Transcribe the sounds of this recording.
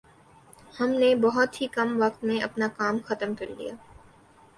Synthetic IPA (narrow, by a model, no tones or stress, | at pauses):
hɐmnebɐɦɔt̪ɦikɐmʋɐk̚t̪mẽɐpnakaːmxɐt̪əmkɐɾlḭjaː